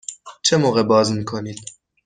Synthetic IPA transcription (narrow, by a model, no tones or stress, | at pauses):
t͡ʃʰemoɣɛbɑːzmiːkʰonid̪̥̚